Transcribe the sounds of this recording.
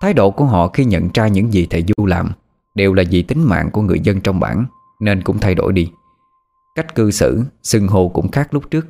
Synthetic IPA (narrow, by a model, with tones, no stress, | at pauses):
t̪ʰaː˨˦jɗo̰˧˨ku˧˩əɦɔ̰˧˨xi˧ɲə̰˧˨nt͡ɕaː˧ɲɨ̰˧˥ŋzi˨˩t̪ʰe˧˨˩zu˧laː˨˩m | ɗe˨˩wlaː˨˩zi˨˩t̪ï˨˦ŋ̟ma̰ː˧˨ŋku˧˩əŋɨ˨˩əjzə˧nt͡ɕɔ˧wŋ͡mɓa̰ː˧˩n | ne˧nkʊ̰˧˥ŋ͡mt̪ʰa˧jɗo̰˧˩jɗi˧ | ka˦˥jk̟̚kɨ˧sɨ̰˧˥sɨ˧ŋɦo˧˩kʊ̰˧˥ŋ͡mxaː˦˥k̚lʊ˦˥p̚t͡ɕɨ˦˥ək̚